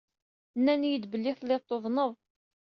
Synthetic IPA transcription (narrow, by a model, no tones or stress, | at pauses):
nːænjəd̪bəlːɪθlet̪ˤːoðˤnəðˤ